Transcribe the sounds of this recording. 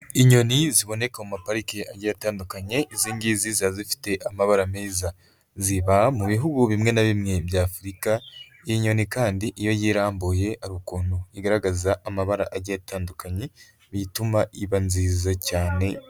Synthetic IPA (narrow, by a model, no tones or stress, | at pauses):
iɲo̞niziβo̞ne̞kamumapaɾikeaɟejataːndukaɲe̞ʔiziːŋɡiːzizazifi̥te̞ʔamaβaɾameːza | ziβamuβiɦuɡuβimŋe̞naβimŋe̞bjaːfuɾika | ijiɲo̞nikaːndiʔijo̞jiːɾaːmboje̞aɾukuːnoiɡaɾaɡazaʔamaβaɾaʔaɟjataːndukaɲe̞ | βitumaʔiβanziːzacaːne̞